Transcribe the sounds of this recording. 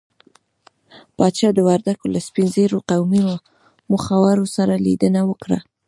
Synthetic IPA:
pɑt̪ʃɑd̪əwaɾd̪akolaspinzeɾoqawmiwa | mʊxawaɾosaɾalid̪ənawəkɽa̰

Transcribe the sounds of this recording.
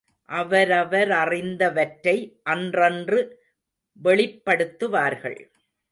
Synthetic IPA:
ʔɐʋɐɾɐʋɐɾɐrɪnd̪ɐʋɐʈɾɐɪʔɐndrɐndrɯ | ʋɛɭɪpːɐɽɯt̪ːɯʋaːɾɣɐ̰ɭ

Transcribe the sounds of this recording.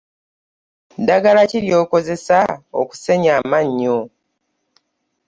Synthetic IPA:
daɡalaciɾjo̞ːko̞ze̞sao̰ku̥se̞ɲamaɲːo

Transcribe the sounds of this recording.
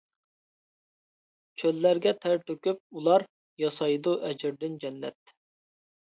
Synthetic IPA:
t͡ʃʰølːæɾɡʲɛt̪ʰæɾt̪ʰøkʲyp̚ulˠɑɾ | jɑsɑjd̪uʔɛd͡ʒɪɾd̪ɪnd͡ʒɛnːɛ̰t̪̚

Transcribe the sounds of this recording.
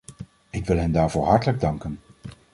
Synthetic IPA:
ɪkʋɪlˠɦɛndaːɹvʊːɹɦɑɹtələɡ̚dɑŋkən

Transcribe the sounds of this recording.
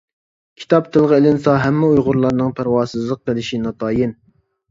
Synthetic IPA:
kʲʰi̥t̪ʰɑp̚t̪ʰɨlˠʁəelɪnsɑɦɛmːɪujʁʊɾlˠɑɾnɨŋpʰæɾwɑːsɨzlˠəq̚ːəlˠɪʃinɑt̪ʰɑːjɪn

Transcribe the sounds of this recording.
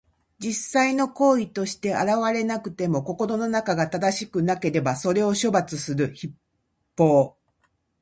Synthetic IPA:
d͡ʑisaino̞ko̞ːit̪o̞ɕi̥t̪e̞a̰ɾaβaɾe̞nakɯ̟t̪e̞mo̞ko̞ko̞ɾo̞no̞nakaɡat̪ad̪aɕi̥kɯ̟nake̞ɾe̞baso̞ɾe̞o̞ɕo̞bat͡sɨsɨɾɯ̟çip | pːo̞ː

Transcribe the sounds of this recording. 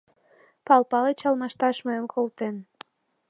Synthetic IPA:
pɑlpɑlet͡ɕɑlmɑʃt̪ɑʃməəmkʰolt̪en

